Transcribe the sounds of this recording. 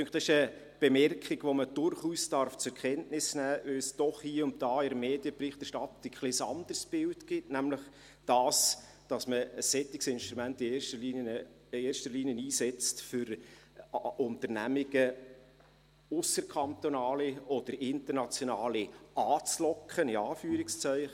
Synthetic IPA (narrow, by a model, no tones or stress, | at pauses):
tʏŋkχtɑsɪʃə | b̥ɛmɛrkχiɡʋoməd̥ʊɾχuːsd̥ɑrft͡sʊɾkʰɛntnɪsnæːʋɪlsd̥ɔχhiəʊntdɑːɪɾmeːd̥jəprɪχt̪ɛʃtɑtɪkχlɪsɑ̰nd̥̪ərsb̥ɪwtɡ̥ɪtnæmləχ | d̥ɑːs | d̥ɑsməəsːɛt̪ːɪksɪnʃtɾumæntɪeːʃtəi | eːɾʃtəɾliːniəniːsɛt͡stfʏɾ | ʊntəɾnæmɪɡə | ʊsəɾkʰɑnt̪onɑːliɔd̥̪əɾɪntərnɑt͡sjonɑːliɑːt͡slɔkχənɪɑːfyːəɾɪkst͡sœɪχ